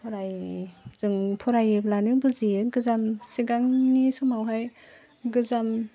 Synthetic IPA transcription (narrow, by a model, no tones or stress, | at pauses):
pʰɔɾajz̥ɯŋpʰɔɾajeblanibɯziɡɯzamsiɡaŋnisɔmawɦaj | ɡɯzam